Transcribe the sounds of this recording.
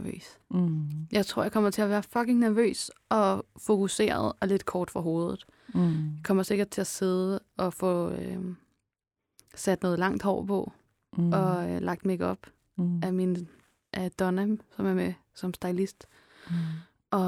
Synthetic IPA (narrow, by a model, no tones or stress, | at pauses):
ʋø̰ːs | jɑ̈ɪt͡sʰʁo̝ɐjɑ̈kʰɒ̽m̰ɐt͡sʰe̝æʋæːɐfɒ̽ɡ̥e̝ŋnæɐʋø̰ːsɒ̽fo̝kʰuse̝̰ːɐð̞ˠɒ̽le̝d̥kʰɒːd̥fʁɑ̈ɦo̝ːð̞ˠð̩ˠ | jɑkʰɒ̽m̰ɐse̝ɡ̥ɐd̥̚t͡sʰe̝æse̝ð̞ˠəɒ̽fɔø | sæd̥nɔ̽ːð̞̩ˠlɑ̈ŋ̰d̥hɒ̰ːpʰɒ̽ | ɒ̽lɑ̈ɡ̥̚d̥meɡ̥ɒ̽b̥ | æmin | ʔæd̥ɒnæmsɒ̽mæɐme | sɒ̽msd̥ɑ̈ɪlisd̥ | ʔɒ̽